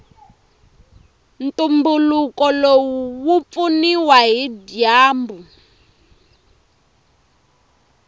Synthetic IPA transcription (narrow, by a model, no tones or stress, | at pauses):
ntʼumbulukɔlowuwup̪funiwaɦidjaːmbu